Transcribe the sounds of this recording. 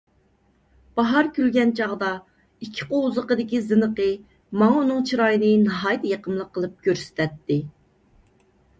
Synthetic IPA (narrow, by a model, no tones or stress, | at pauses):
b̥ɑɦɑɾkʲʰylɡʲɛnt͡ʃʰɑʁd̪ɑ | ikʲʰːi̥qozəqəd̪ɪkʲizɨnəqə | mɑŋunɨŋt͡ʃʰiɾɑjinɨnɨɦɑjt̪ʰjɑqəmlˠəqʰːəlˠɨp̚kʲøɾsɪ̥t̪ʰɛt̪ːɪ